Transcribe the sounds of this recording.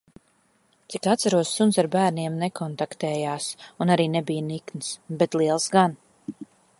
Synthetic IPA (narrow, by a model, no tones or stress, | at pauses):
t̪sikat̪saɾuɔsːunsaɾbæːɾniɛmnɛkʰɔnt̪akt̪ɛːjaːsunaɾiːnɛbijəniknisbɛt̪liɛlˠsɡan